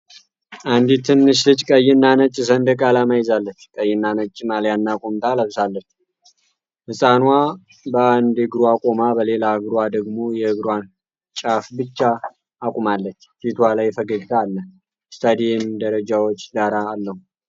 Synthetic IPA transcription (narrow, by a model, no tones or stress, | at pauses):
ʔand̪it̪ʰɨnːɨʃ̬lɨt͡ʃʼkʼəjɪnːanət͡ʃʼːɪs̬ənd̪əkʼalamajɪzalːət͡ʃːkʼəjːɪnːanət͡ʃʼːmaljanːakʼomt̪ʰaləβsalːət͡ʃː | hɨsʼanwa | bəand̪ɨɡɾuakʼomabəle̞laɨɡɾwad̪əɡmo̞jɛhɨɡɾwan | t͡ʃʼafbɨt͡ʃːaː | kʼumalːət͡ʃːfit̪ʰwalajfəɡəɡt̪ʰaːlːə | st̪ʰad̪ijɛmd̪əɾəd͡ʒawot͡ʃːɡaɾaːlːəhu